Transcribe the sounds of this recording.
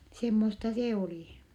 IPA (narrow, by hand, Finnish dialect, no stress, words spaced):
semːostɑ seː oliˑ